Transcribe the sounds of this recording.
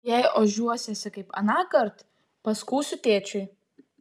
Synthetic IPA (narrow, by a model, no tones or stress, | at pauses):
jɛɪoʒʲuɔsʲɛsʲɪkɐɪpɐ̰nɑːkɐɾt̪ | pɐskuːsʲʊt̪ʲeːt͡ʃʲʊɪ